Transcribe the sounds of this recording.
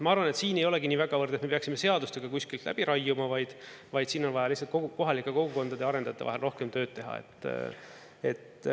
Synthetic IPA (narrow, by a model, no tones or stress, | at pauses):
mɑɑrvɑne̞t̪siːne̞jo̞lɛ̞ɡiniːvæɡɑvɤrd̪et̪me̞pe̞ɑksime̞se̞ɑd̪ust̪eɡ̥ɑkusʲkilt̪lʔæ̰b̥iɾɑjːumɑvɑjd̪̥ | vɑjd̪̥siːno̞nvɑjɑlihs̬ɑlt̪̚koko̞ɦɑlikːˑe̞ko̞ɡuko̞nd̪ɑd̪e̞ɑɾe̞nd̪ɑt̪ːˑevɑ̰ɦelro̞hke̞mt̪ø̞ːd̪̚t̪eɦɑ̰ḛt̪ːˑ | e̞̰t̪